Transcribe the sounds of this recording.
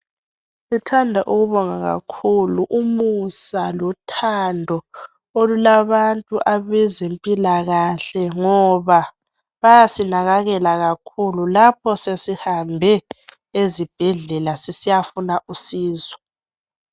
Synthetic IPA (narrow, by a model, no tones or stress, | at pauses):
litʰandʱaʔuɣuβɔŋaɣa̰kʰuluʔumusalɔtʰandʱɔ | olulaβantʼuʔaβɛzempʼilaɣaɬɛŋɔβa | βajasinaɣaɣɛlaɣakʰululap̚ʰɔsesihambʱɛ | ezib̥ʱɛɮɛlasisijafunaʔusiːzɔ